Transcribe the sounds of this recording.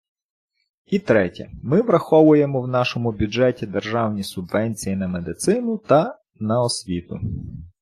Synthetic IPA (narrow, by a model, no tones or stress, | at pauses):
it̪ɾɛtʲɐ̰mɪʋɾɐxɔʋʊjemɔwnɑʃɔmʊbʲʊd͡ʒɛtʲid̪erʒɑwnʲisʊbʋɛnʲt͡sʲijinɐmed̪ɪt̪sɪnʊt̪ɐ | nɐɔsʲʋʲit̪ʊ